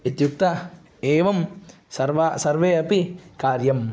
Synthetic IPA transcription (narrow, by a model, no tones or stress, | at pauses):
it̪juk̚t̪ɐ | eːʋɐm | sɐɾʋasɐɾʋeːɐpikaːɾjɐm